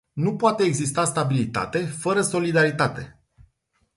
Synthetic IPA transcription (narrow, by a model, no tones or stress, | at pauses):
nupoat̪e̞ːɡzist̪ast̪abilit̪a̰t̪e̞fəɾəso̞lid̪aɾit̪at̪e̞